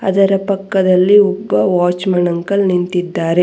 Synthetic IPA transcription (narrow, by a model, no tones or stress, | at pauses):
ɐ̰d̪ɐɾɐpɐkːɐd̪ɐlːiɔbːɐʋaːt͡ʃmɐɳɐŋkɐlnint̪id̪ːaːɾe̞